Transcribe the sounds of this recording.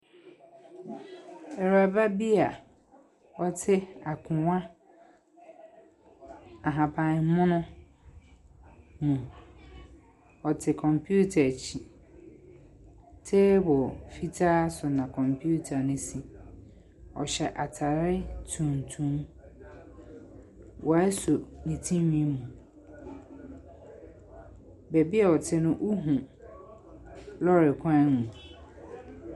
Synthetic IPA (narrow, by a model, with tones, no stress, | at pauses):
ɛ˨ɾa˨ba˦bi˦a˨ | ɔ˦tʰɪ˦a˨kʰʊ̃˨wã˦ | a˨ɦã˨pʰã˨n̩˨˦mʊ̃˦nʊ̃˦ | nʊ̃˨ | ɔ˨tʰɪ˨kʰɔ̃˨mpʰju˦tʰa˨t͡ɕʰi˨ | tʰe˦bɔ˨fi˦tʰaː˦sʊ˨nã˨kʰɔ̃˨mpʰu˦tʰa˨nɪ̃˦si˨ | ɔ̰˨ɕɛ˨ʔa˨tʰa˨ɾɪ˦tʰũ˨n˨tʰũ˦m | wɔ˨˦sʊ˨nĩ˨tʰĩ˦mĩ˦mũ˨ | bɛ˨bi˦a˨ɔ˨tʰɪ˨nʊ̃˦ʔu˦ɦũ˨ | lɔ˦ɾɪ˨kʷʰã˦nmũ˨